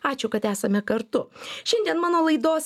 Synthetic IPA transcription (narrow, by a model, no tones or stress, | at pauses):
ɑːt͡ʃʲʊkɐt̪æːsɐmʲɛkɐɾt̪ʊʃʲɛnʲd̪ʲiɛnmɑːnoːlˠɐɪd̪oːs